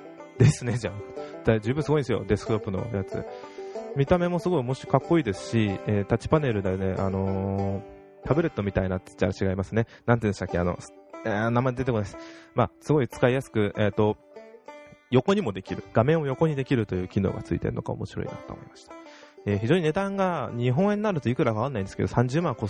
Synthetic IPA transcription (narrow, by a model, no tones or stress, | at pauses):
d̪e̞sɨne̞d͡ʑad̪ad͡ʑɨːbɯ̟̃sɨɡo̞ĩnd̪esjo̞̰d̪e̞sɨ̥kɯ̥t̪o̞pːɯno̞̰jat͡sɨ̰ | mʲit̪ame̞mo̞sɨɡo̞imo̞ɕi̥kakːo̞iːd̪e̞sɨ̥ɕieːt̪at͡ɕi̥pane̞ɾɯ̟d̪ene̞ʔa̰no̞ | t̪ʰabɯ̟ɾe̞t̪ːo̞mʲit̪ainat̪ːe̥t͡ɕaɾat͡ɕiɡaimasɨne̞nãniɯ̃nɕt̪akːea̰no̞̰snamad̪eetekonaesɨ̥maːsɨɡo̞it͡sɨ̥kaijasɨ̥kɯ̟ʔet̪ːo̞ | jo̞ko̞ɲ̟imo̞d̪e̞kʲiɾɯ̟ɡ̥amẽ̞ɰ̃o̞jo̞ko̞ɲ̟id̪e̞kʲiɾɯ̟t̪o̞jɯ̟ːkʲino̰ːɡa̰t͡sɨḭt̪e̞̰ɾ̟no̞ka̰omo̞̰ɕiɾo̞̰ḭna̰t̪ːo̰ːmo̰imḁɕi̥t̪ḁeːçiʑoːɲine̞d̪ãŋɡaɲ̟iɦõ̞ɰ̃e̞ɲnːnaɾɯ̟t̪o̞ikɯ̟ɾaɡaanaĩnd̪esɨ̥ke̞d̪osãɲ̟d͡ʑɨːmãŋko